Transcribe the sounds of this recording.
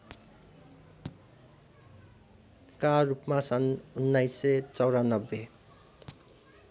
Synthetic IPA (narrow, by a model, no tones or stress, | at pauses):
karupmasʌnunːajset͡sʌwɾanʌbːe